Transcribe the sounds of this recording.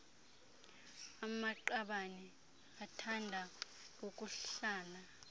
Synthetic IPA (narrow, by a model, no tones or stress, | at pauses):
amaǃaɓanɛ | atʰandʱa | okʼuɬaːna